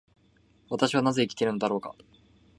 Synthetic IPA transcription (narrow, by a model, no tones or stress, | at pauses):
βat̪aɕiβanaze̞ikʲi̥t̪e̞ɾɯ̟no̞d̪aɾo̞ːka̰